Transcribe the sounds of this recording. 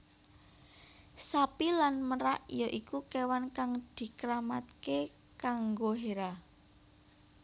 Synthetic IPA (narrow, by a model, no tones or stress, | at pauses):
sapilanməɾaʔjaʔikukewankaŋd̪̥i̤kəɾamat̪̚ke | kaŋɡoɦeɾa